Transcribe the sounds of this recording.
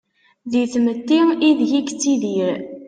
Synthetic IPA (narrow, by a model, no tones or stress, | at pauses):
ðiθmət̪ːiiðʝikt͡sːiðiɾ